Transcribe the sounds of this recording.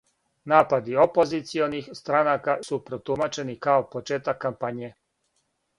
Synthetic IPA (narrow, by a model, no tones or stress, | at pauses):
naːpad̪io̞po̞zit̪sio̞nixst̪ɾanakasupɾot̪umat͡ʃe̞nikaopot͡ʃeːt̪akːampaɲje